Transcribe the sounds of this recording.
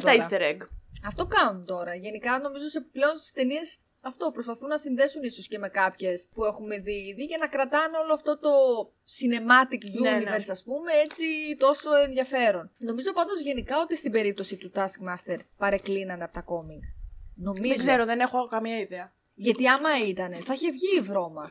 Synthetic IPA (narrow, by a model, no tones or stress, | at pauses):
t̪ɐist̪eɾeɡɐft̪o̞kɐnunt̪o̞ɾɐʝe̞nikɐno̞mizo̞seple̞o̞nst̪i̥st̪e̞nie̞s | ɐft̪o̞pɾospɐθunːɐsinðe̞sunisosce̞me̞kɐpçe̞spue̞xume̞ðiiðiʝɐnɐkɾɐt̪ɐneo̞loɐft̪o̞t̪o̞ | sine̞mɐt̪ikʝuniveɾsɐspume̞e̞t͡sit̪o̞so̞e̞nðjɐfe̞ɾo̞nno̞mizo̞pɐnd̪o̞zʝe̞nikɐo̞t̪ist̪ibe̞ɾip̚t̪o̞sit̪ut̪ɐskmɐst̪e̞ɾpɐɾe̞klinɐnɐpot̪ɐko̞miŋno̞miezɡzeɾoðene̞xo̞kɐmɲɐiðeɐ | ʝɐt̪iɐmɐit̪ɐne̞θɐiçevʝiːvɾo̞mɐ